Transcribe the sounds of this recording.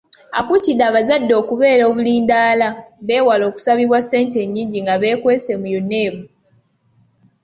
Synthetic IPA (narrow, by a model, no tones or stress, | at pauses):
a̰kutidaːβazadːo̞ːkuβe̞ːɾo̞ːβuliːndaːlaβe̞ːwalo̞ːku̥saβiβwase̞ːnte̞ɲːiːɲɟiŋɡaβe̞ːkwe̞ːse̞mujonːe̞ːβu